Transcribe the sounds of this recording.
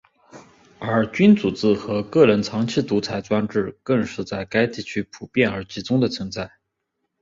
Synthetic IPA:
ə˞˧˥t͡ɕy˥nt͡su˨˩t͡sɹ̩˥˩xɤ˧˥kɤ˥˩ɻə˧˥nt͡sʰɑ˧˥ŋt͡ɕʰi˥˩t̪u˧˥t͡sʰa˧˥ɪt͡swa˥nʈ͡ʂɻ̩˥˩kɤ˥˧ŋʂɻ̩˥˧t͡sa˥˩ɪka˥ɪt̪i˥˩t͡ɕʰy˥pʰu˨˩pjɛ˥˩nə˞˧˥t͡ɕi˧˥t͡sʊ˥ŋd̪ə˨t͡sʰə˧˥ŋt͡sa˥˩ɪ

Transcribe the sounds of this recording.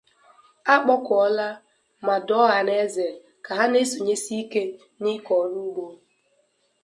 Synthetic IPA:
a˦k͡pɔ˦kɔ˨˦la˦ | ma˨dɔ˦ɣa˨ne˦ze˨ | ka˨ɦa˦ne˦so˨ɲe˦si˦i˦ke˦ | ni˦kɔ˨nu˦ɡ͡bo˦

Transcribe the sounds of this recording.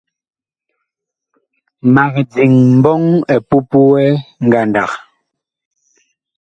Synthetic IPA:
ma˨k̚d͡zi˨ŋm̩˨bɔ˦ŋɛ˨pu˦pu˦wɛ˦ŋ̩˦ɡa˨nda˨k

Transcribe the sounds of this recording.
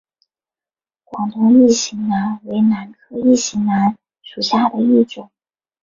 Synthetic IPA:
kwɑ˨˩ŋt̪ʊ˥ŋi˥˩ɕi˧˥ŋna˧˥nwe˧˥ɪna˧˥nkʰɤ˥˧i˥˩ɕi˧˥ŋna˧˥n | ʂu˨˩ɕja˥˩d̪ə˩i˥˩ʈ͡ʂʊ˨˩˦ŋ

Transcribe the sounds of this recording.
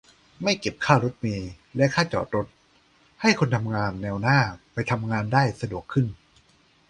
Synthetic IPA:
ma˥˩jke˨˩p̚kʰaː˥˩ɾo˦˥t̪̚miː˧ | lɛ˦˥ʔkʰaː˥˩t͡ɕɔ̰ː˨˩t̪ɾo˦˥t̪̚ | ha˥˩jkʰo˧nt̪ʰa˧mŋaː˧nːɛː˧wnaː˥˩pa˧jt̪ʰa˧mŋaː˧ndaː˥˩jsa˧du˨˩əkʰːɯ˥˩n

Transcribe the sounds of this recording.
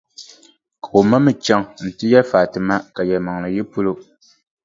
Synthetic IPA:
ka˨o˨ma˦mɨ˦t͡ʃa˦ŋn̩˨tɨ˦jɛ˦faː˨tɨ˨ma˦ka˨jɛ˨lma˨ŋlɨ˨ji˦pu˦lo˦

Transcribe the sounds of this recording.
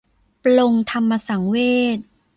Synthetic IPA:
plo˧ŋt̪ʰa˧mːa˧sa˩˦ŋweː˥˩t̪̚

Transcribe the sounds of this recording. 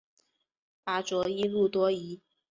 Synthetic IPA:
pa˧˥ʈ͡ʂwɔ˧˥i˥lu˥˩t̪wɔ˥i˧˥

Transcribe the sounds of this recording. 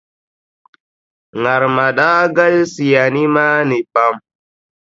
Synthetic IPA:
ŋa˨ɾma˨ɗa˦ɡa˦lsi˨ja˨ni˦ma˦ni˨pa˦m

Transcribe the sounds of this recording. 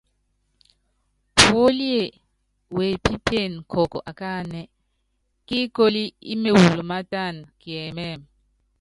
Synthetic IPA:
po˦li˦e˨ | we˨pʰi˦pʰe˦˨n˨kʰɔ˨kʼɔ̰˨ʔa˨ka˦nɛ˨ | kʼi˦kʼo˦li˦ḭ˦me˨wu˨lɔ˨ma˦tʼa˦˨nkʼi˨ɛ˨mɛ˦˨m

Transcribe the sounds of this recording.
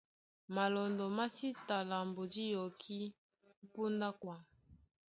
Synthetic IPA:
ma˨lɔ˨ndɔ˨ma˦si˦ta˨la˨mbo˨di˦jɔ˨kʰi˦ | u˦pu˦nda˦kwa˦

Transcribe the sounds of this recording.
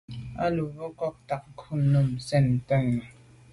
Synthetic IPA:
ʔa̰˧˨lu˨˦ɔ˧˦kɔ˧˩k̚t̪a˨˩k̚kʰu˧˩˨nːu˧˨mse˧˩˨nt̪ə˧˨ŋ

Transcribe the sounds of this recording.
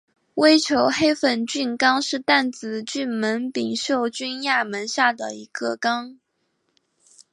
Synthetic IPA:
we˥ɪʈ͡ʂʰjo˧˥ʊxe˥ɪfə˨˩nt͡ɕy˥˩nkɑ˥ŋʂɻ̩˥˧t̪a˥˩nt͡sɹ̩˨˩t͡ɕy˥˩nmə˧˥npi˨˩ŋɕjo˥˩ʊt͡ɕy˥nja˥˩mə˧˥nɕja˥˩d̪ə̰˩i˧˥ɡə˧kɑ˥ŋ

